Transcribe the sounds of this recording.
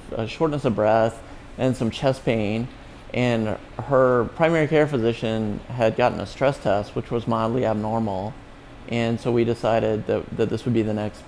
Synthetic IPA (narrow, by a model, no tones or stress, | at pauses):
ə̰ʃɔɹtⁿnɨsʌvbɹɛθ | ɨ̃nsʌ̃mt͡ʃʰɛspʰẽɪ̃n | ʔɨ̃n | ə˞pʰɹ̥ãɪ̃mɛɹikʰɛɹfɨzɪʃɨ̃nɨd̚ɡɑʔn̩ə̰stɹ̥ɛstʰɛst̚wət͡ʃwʌzmaɪdˡliɨb̚nɔɹml̩ˠ | ʔɨ̃nsoʊwidɪsaɪɾɪd̪̚ðɨ̰ðɨt̪̚ðɪswəd̚biðɨnɛkst